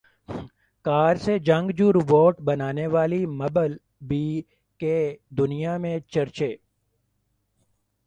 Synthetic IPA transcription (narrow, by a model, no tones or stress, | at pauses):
kaːɾsed͡ʒɐ̃ŋɡd͡ʒuːɾʋoːʈbɐnaːneʋaːlimɐbəl | bi | ked̪ʊnijamẽt͡ʃɐɾt͡ʃeː